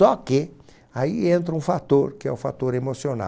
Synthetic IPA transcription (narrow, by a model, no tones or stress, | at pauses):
ɔkɪ | aiẽnt̪̬ɾɐũfat̪oɾkɪɛ̰ʊfa̰t̪oɾemosiona̰